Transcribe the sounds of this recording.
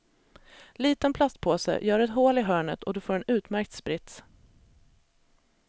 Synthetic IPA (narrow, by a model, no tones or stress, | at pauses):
liːt̪ənpʰlast̪̚pʰoːsə̰jœːɖɵɛt̪ɦoːlɪɦœːɳə̰t̪ʰɔd̪ɵfoːɾɛnʉ̟ːt̪mæɾk̚t̪spɾɪt̪s